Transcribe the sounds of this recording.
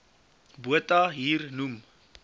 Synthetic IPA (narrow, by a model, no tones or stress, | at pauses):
buətaɦiːrnum